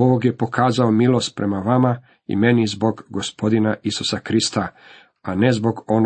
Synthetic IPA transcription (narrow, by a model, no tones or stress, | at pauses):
ooɡje̞po̞kʰaːzaomilˠo̞st̪̚pɾe̞maʋama | ḭme̞nizbo̞ɡːospʰo̞d̪inaʔisusakɾist̪a | ane̞zbo̞ɡo̞n